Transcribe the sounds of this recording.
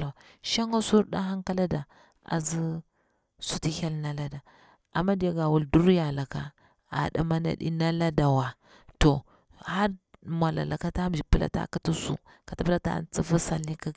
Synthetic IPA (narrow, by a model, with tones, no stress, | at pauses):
ʃa˦ŋa˦su˦ɾda˦ɦa˦ŋka˦la˦da˨ | a̰˨zi˦ | su˦ti˦ha˦lna˨la˦da˨ | ʔa˨mːa˦di˨ja˦ɡa˨wu˦ldu˦ɾja˨la˨ka˨ | a̰˨ɗa̰˨ma˦na̰˨ɗḭ˦na˦la˦da˨wa˨ | to˨ | ha˦ɾmʷ˨a˨la̰˨lʔa˨ka˦ta˦md͡ʒi˨pə˦la̰˦ta̰˦˨ki˦ti˦sṵ˦ | ka˨ta˨˦pə˦la˦ta̰˦˨nt͡si˦fa˦sa˨li˦ka˦